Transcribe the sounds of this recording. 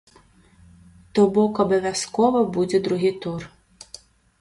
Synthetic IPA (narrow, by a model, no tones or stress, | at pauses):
t̪ɔbɔkɔbɔʋʲjɐskɔʋɔbudʲɛd̪ɾʊɦit̪ur